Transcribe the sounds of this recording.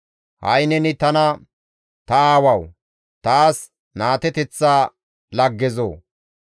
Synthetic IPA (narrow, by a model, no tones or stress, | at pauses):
hɐ̰jnɛnɪt̪ɐnɐ | t̪ɐaːwɐw | t̪aːs | naːt̪ɛt̪ɛt͡sːaː | lɐɡːɛzo̰ː